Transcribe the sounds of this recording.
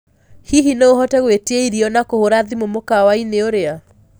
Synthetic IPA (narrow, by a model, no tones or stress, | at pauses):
hiɦinooɦɔtɛɣweteeiɾiɔnakohoɾaðimomokawaineoɾea